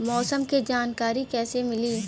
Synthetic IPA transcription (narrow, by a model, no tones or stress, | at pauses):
mɔːsəmked͡ʒaːnkaːɾikɛːsemɪliː